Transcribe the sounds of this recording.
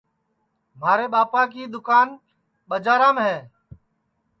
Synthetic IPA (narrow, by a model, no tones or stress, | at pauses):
m̤aːɾeːɓaːpaːk̬iːɗ̪ʊkaːn | ɓəd͡ʒaːɾaːmɦeː